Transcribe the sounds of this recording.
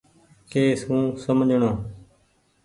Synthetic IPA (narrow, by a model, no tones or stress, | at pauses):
keːsũːsəmd͡ʒʱɳõː